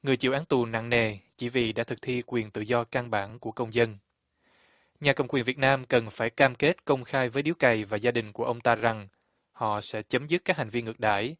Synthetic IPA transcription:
ŋɨ˨˩əjt͡ɕḭ˧˨wʔːŋt̪u˨˩na̰˧˨ŋne˨˩t͡ɕḭ˧˩vḭ˧˨ɗa̰ː˧˥t̪ʰɨ˨˩k̚t̪ʰi˧kwi˨˩ənt̪ɨ̰˧˨zɔ˧ka˧ŋɓaː˧˩nku˧˩əkə˧wŋ͡mzə˧n | ɲaː˨˩kə˨˩wŋ͡mkwi˨˩nvi˨˩ət̚naː˧mkə˨˩nfaː˧˩jkaː˧mke˦˥t̚kə˧wŋ͡mxaː˧jvəː˨˦jɗi˨˦wka˨˩jvaː˨˩zaː˧ɗï˨˩ŋ̟ku˧˩əʔə˧wŋ͡mt̪aː˧za˨˩ŋ | hɔ̰˧˨sɛ̰˧˥t͡ɕə˨˦mzɨ˦˥t̚kaː˦˥k̚ha˨˩ŋ̟vi˧nŋɨ˨˩k̚ɗa̰ː˧˩˨j

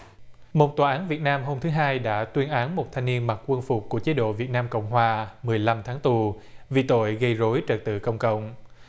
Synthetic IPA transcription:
mo˨˩t̚t̪waː˨˩ʔaː˨˦nvi˨˩ət̚naː˧mɦo˧mt̪ʰɨ˨˦ɦaː˧jɗa̰ː˧˥t̪wi˧ənʔaː˨˦nmo˨˩t̚t̪ʰa˧jŋ̟ni˧ənma˨˩t̚kwə˧ənfʊ˨˩k͡p̚ku˧˩ət͡ɕe˨˦ɗo̰˧˨vi˨˩ət̚naː˧mkə̰˧˨wŋ͡mɦwaː˨˩mɨ˨˩əjla˧mt̪ʰaː˨˦ŋt̪u˨˩ | vi˨˩t̪o̰˧˨jɣə˧jzo˨˦jt͡ɕə˨˩t̚t̪ɨ̰˧˨kə̰˧˩wŋ͡mkə̰˧˨wŋ͡m

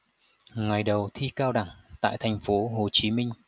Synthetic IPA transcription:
ŋa˨˩jɗə˨˩wt̪ʰi˧kaː˧wɗa˧˩ŋt̪a̰ː˧˨jt̪ʰa˨˩jŋ̟fo˨˦ɦo˨˩t͡ɕi˨˦mï˧ŋ̟

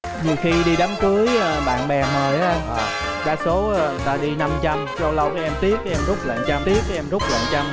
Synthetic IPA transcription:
ɲi˨˩əwxi˧ɗi˧ɗa˨˦mkɨ˨˦əjə˨˧ɓa̰ː˧˨nɓɛ˨˩məː˨˩jʔaː˨˦˧ʔɔ˨˩ | ɗa̰ː˨˦˥so˨˦˧t̪aː˧ɗi˧na˧mt͡ɕa˧msa˧wlə˧wkɔː˨˦ʔɛ˧mt̪i˦˥ək̚kaː˨˧˦ʔɛ˧mzu˦˥k͡p̚lə̰˧˨nt͡ɕa˧mt̪i˦˥ək̚kɔ˧˦ʔɛ˧mzʊ˦˥k͡p̚lə̰˧˨nt͡ɕa˧m

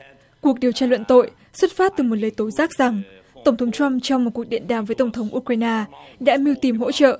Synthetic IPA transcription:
ku˨˩ək̚ɗi˨əwt͡ɕaː˧lwə̰˧˨nt̪o̰˧˨j | swə˦˥t̚faː˦˥t̚t̪ɨ˨˩mo˨˩t̚ləː˨˩jt̪o˨˦jzaː˦˥k̚z̥a˨˩ŋ | t̪ə˧˩wŋ͡mt̪ʰə˨˦ŋ͡mt͡ɕwa˧mt͡ɕɔ˧wŋ͡mmo˨˩ku˨˩ək̚ɗḭ˧˨ənɗaː˨˩mvəː˨˦t̪ə˧˩wŋ͡mt̪ʰə˨˦wŋ͡mʔu˧kwaː˧jnaː˧ɗa̰ː˧˥mi˧wt̪i˨˩mɦo̰˧˥t͡ɕə̰ː˧˨ʔ

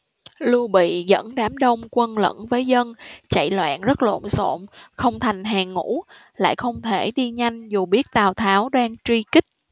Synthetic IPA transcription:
lu˧əɓḭ˧˨ɣə̰˧˥nɗaː˨˦mɗə˧wŋ͡mkwə˧nlə̰˧˥nvəː˨˦jzə˧nt͡ɕa̰˧˨jlwa̰ː˧˨nzə˦˥t̚lo̰˧˨nso̰˧˨mxə˧wŋ͡mt̪ʰa˨˩jŋ̟ɦaː˨˩ŋṵ˧˥ | la̰ː˧˨jxə˧wŋ͡mt̪ʰe˧˩ɗi˧ɲa˧jŋ̟zu˨˩ɓi˦˥ət̚t̪aː˨˩wt̪ʰaː˨˦wɗaː˧ŋt͡ɕwi˧kï˦˥k̟̚

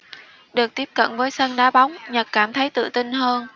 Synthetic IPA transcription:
ɗɨ˨˩ək̚t̪i˦˥əp̚kə̰˧˨nvəː˨˦jsə˧nɗaː˨˦ɓa˨˦wŋ͡mɲə˨˩t̚kaː˧˩mt̪ʰə˨˦jt̪ɨ̰˧˨t̪i˧nɦəː˧n

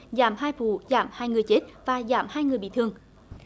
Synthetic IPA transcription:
zaː˧˩˦mhaː˧jfṵ˧˩˦zaː˧˩mhaː˧jŋɨ˨˩əjt͡ɕe˦˥t̚vaː˨˩zaː˧˩mhaː˧jŋɨ˨˩əjɓḭ˧˨t̪ʰɨ˧əŋ

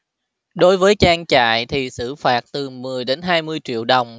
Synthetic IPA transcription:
ɗo˨˦jvəː˨˦jt͡ɕaː˧ŋt͡ɕa̰ː˧˨jt̪ʰi˨˩sɨ̰˧˩faː˨˩t̚t̪ɨ˨˩mɨ˨˩əjɗe˨˦nɦaː˧jmɨ˧əjt͡ɕḭ˧˨əwɗə˨˩wŋ͡m

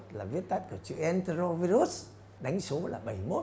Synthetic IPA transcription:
t̚laː˨˩vi˦˥ət̚t̪a˦˥t̚ku˧˩ət͡ɕɨ̰˧˨ʔɛ˧nt̪e˧ɾo˧vi˧ɾu˦˥s | ɗa˨˦jŋ̟so˨˦la̰ː˨˩ɓə˧˩jmo˦˥

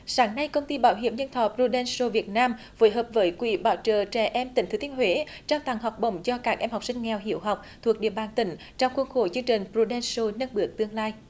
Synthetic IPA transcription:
saː˨˦ŋna˧jkə˧wŋ͡mt̪i˧ɓaː˨˦wɦḭ˧˩əmɲə˧nt̪ʰɔ˨˩pɾu˧ɗɛ˧nso˧vi˨˩ət̚naː˧m | vo̰˨˦jɦəː˨˩p̚vəː˨˦jkwḭ˧˩ɓaː˨˦wt͡ɕə̰ː˧˨˩t͡ɕɛ̰˧˩ʔɛ˧mt̪ï˨˩˦ŋ̟t̪ɨ˨˦t̪ʰi˧ənhwḛ˧˨˦ | t͡ɕɔ˧wŋ͡mt̪a˨˩ŋɦa˨˩wk͡p̚ɓə̰˧˨wŋ͡mzɔ˧kaː˦˥k̚ʔɛ˧mha˨˩wk͡p̚sï˧ŋ̟ŋɛ˨˩wɦḭ˧˩əwɦa˨˩wk͡p̚t̪ʰu˨˩ək̚ɗḭ˧˨əɓaː˨˩nt̪ï˨˦ŋ̟ | t͡ɕɔ˧wŋ͡mxwə˧nxo˧˦t͡ɕɨ˧əŋt͡ɕï˨˩ŋ̟pɾu˧ɗɛ˧nso˧nə˧nɓɨ˨˩ək̚t̪ɨ˧əŋlaː˧j

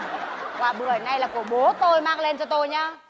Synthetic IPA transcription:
kwaː˨˩ɓə˧˩˨zəː˧˨˩jna˧jlaː˨˩ku˧˩əɓo˨˦t̪o˧jmaː˧ŋle˧nt͡ɕɔ˧t̪o˧jɲaː˧

